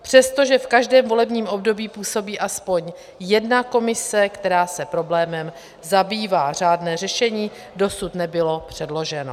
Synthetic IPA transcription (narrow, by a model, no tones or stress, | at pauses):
pr̝̥ɛst̪o̞ʒɛfkaʒdɛːmvo̞lɛbɲiːmʔo̞bdo̞biːpuːso̞biːʔaspo̞ɲ | jɛdnako̞mɪsɛkt̪ɛɾaːsɛpɾo̞blɛːmɛm | zabiːvaːr̝aːdnɛːr̝ɛʃɛɲiː | do̞sut̪nɛbɪlo̞pr̝̥ɛdlo̞ʒɛno̰